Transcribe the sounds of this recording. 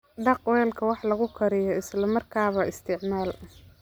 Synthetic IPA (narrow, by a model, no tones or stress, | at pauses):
ɖɑqwɛːlkʰɐwɑħlɐɣʊkʰɐɾɪjɔɪslɐmɐrkʰaːβɐʔɪst̪ʰɪʕmaːl